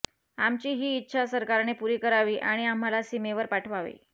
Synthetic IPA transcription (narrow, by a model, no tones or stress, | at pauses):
amt͡ɕiːɦiːtːɕʰasəɾkaɾnepuɾiːkəɾaʋiːʔaɽ̃iam̤alasimeʋəɾpaʈʰʋaʋḭː